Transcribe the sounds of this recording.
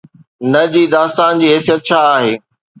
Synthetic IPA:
nɐd͡ʑiːd̪aːst̪aːnd͡ʑiːɦɛːsijət̪̚t͡ɕʰaːɦeː

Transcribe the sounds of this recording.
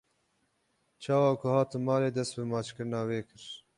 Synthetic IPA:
t͡ʃʰɑːwɑːkʰʊhɑːt̪ɨnmɑːleːd̪ɛst̪̚bɨmɑːt͡ʃkɨɾɨnɑːweːkʰɨɾ

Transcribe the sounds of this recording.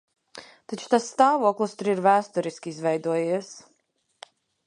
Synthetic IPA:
t̪at͡ʃu̥t̪asːt̪aːvuɔklˠust̪uɾiɾvæːst̪uɾiskʲiizvɛjd̪uɔjis

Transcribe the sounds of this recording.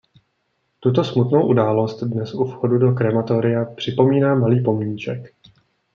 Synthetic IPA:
t̪ut̪o̞smut̪no̞wʔudaːlo̞st̪dnɛsʔufxodudo̞kɾɛmat̪oɾɪjapr̝̥ɪpo̞miːnaːmaliːpo̞mɲiːt͡ʃɛk

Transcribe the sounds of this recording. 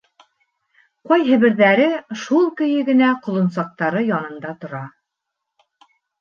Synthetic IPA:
qɑjɦɘ̆βɘ̆ɾðæɾɘʃulˠkɵ̆jɘɡɘ̆næqŏlˠɤ̆nsɑq̚t̪ɑɾɤjɑnɤ̆nd̪ɑt̪ŏɾɑ

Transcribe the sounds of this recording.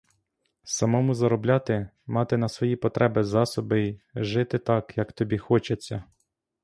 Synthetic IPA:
sɐmɔmʊzɐɾɔblʲɑt̪ɪ | mɑt̪ɪnɐsʋɔjipɔt̪ɾɛbɪzɑsɔbɪjʒɪt̪ɪt̪ɑkjɐkt̪ɔbʲixɔt͡ʃɐt͡sʲːɐ

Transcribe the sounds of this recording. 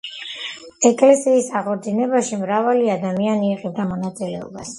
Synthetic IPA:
ɛkʼlɛsiːsaʁɔɾd̪inɛbaʃimɾavaliad̪amianiːqʼɛvd̪amɔnat̪sʼilɛɔ̰ba̰s

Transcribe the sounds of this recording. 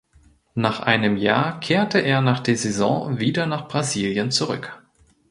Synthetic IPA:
naːχʔa̰ɪnəmja̰ːɐkʰeːɐtəʔeːɐnaːχd̥eːɐzɛzɔ̰̃viːdɐnaːχb̥ʁaziːljənt͡suʁʏ̰k

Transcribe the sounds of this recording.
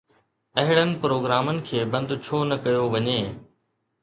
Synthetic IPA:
ɐɦɪɽənɪ̆pɾoːɡɾaːmənɪ̆kʰeːbɐ̃nd̪t͡ɕʰoːnɐkɐjoʋɐɲeː

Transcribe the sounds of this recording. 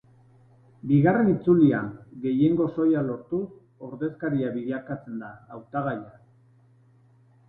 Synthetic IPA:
biɣare̞nit͡sulia̰ɡe̞je̞ŋɡo̞so̞jalo̞ɾt̪us | o̞ɾðe̞skaɾiaβiʎakat͡se̞nd̪aːwt̪aɣaja

